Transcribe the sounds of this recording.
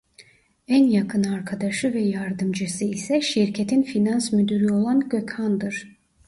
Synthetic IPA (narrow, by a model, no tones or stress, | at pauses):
ænjakʰɯnaɾkʰad̪aʃɯvɛjaɾd̪ɯmd͡ʒɯsɯisɛʃiɾcʰet̪ʰinfinansmyd̪yɾyo̞lˠanɟø̞chand̪ɯɾ̥